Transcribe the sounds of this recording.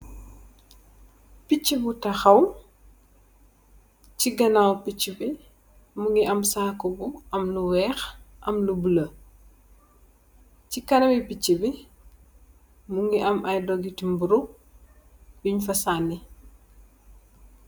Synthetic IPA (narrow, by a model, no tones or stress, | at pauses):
pit͡ʃːibutɐxɐw | ciɡɐnawpit͡ʃːibi | muŋɡiʔɐmsaːkɔbuʔɐmluwɛːxʔɐ̰mlubulɐ | cikɐnɐbipit͡ʃːibi | muŋɡiʔɐmʔɐjdɔɡitimbuɾu | biɲfɐsanːɛ